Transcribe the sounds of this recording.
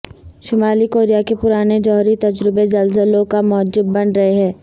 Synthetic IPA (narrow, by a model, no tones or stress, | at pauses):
ʃʊmaːlikoːɾijakepʊɾaːned͡ʒɔɦɾit̪ɐd͡ʒɾɪbezɐlzəlõkamɔːd͡ʒɪbːɐnɾɐɦeɦɛ̃ː